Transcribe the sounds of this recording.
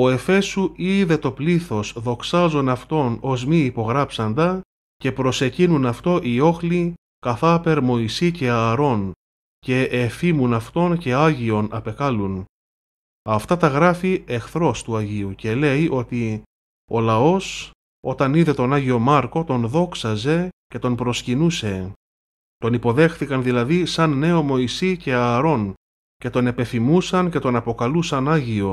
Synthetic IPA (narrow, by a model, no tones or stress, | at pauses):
o̞e̞fe̞suiðe̞t̪o̞pliθo̞sðo̞ksɐzo̞nɐft̪o̞no̞zmiːpo̞ɣɾɐpsɐnd̪ɐ | ce̞pɾo̞se̞cinunɐft̪o̞ʔio̞xli | kɐθɐpe̞ɾmo̞isice̞ɐɾo̞n | ce̞ʔefimunɐft̪o̞nce̞ɐʝio̞nɐpe̞kɐlun | ɐft̪ɐt̪ɐɣɾɐfiʔe̞xθɾo̞st̪uɐʝiuce̞le̞iʔo̞t̪i | o̞lɐo̞s | o̞t̪ɐniðe̞t̪o̞nɐʝio̞mɐɾko̞t̪o̞nðo̞ksɐze̞ce̞t̪o̞npɾo̞scinuse̞ | t̪o̞nipo̞ðe̞xθikɐnðilɐðisɐnːe̞o̞mo̞isice̞ɐɾo̞n | ce̞t̪o̞ne̞pe̞θimusɐnce̞t̪o̞nɐpo̞kɐlusɐnɐʝio̞